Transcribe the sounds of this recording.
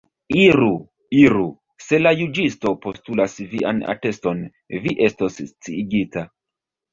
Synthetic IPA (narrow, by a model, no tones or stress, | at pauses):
iɾu | iɾu | se̞lajud͡ʒisto̞po̞stulasviʔa̰na̰te̞sto̞n | viʔe̞stosːt͡siːɡita